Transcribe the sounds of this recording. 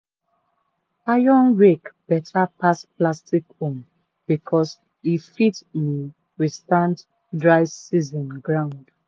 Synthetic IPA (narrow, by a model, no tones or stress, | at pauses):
ajɔ̃nɹekb̥ɛtʰapasplastikõm | b̥ikʰɔs | ifitmi | wistãnt | dɹaɪsizɔ̃nɡɹãʊ̃nd̥